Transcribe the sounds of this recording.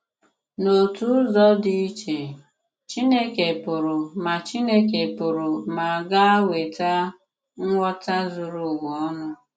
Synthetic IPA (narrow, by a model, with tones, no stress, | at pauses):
no˨tu˦zɔ˦di˦t͡ʃe˨ | t͡ʃi˦ne˦ke˨pʊ˨ɾʊ˨ma˨t͡ʃi˦ne˦k̬e˨pʊ˨ɾʊ˨ma˨ɡa˦a˦we˨ta˦ | ŋ̩˦ŋʷɔ˦ta˦zʊ˨ɾʊ˨wɔ˨ɔ˦nʊ˦